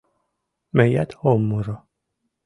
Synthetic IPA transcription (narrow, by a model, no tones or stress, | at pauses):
mejæ̰t̪homːuɾɔ